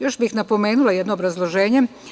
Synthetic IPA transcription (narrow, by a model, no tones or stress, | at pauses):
jo̞ʃbixnapo̞me̞ːnulˠajed̪noːbɾazlˠoʒe̞ːɲe̞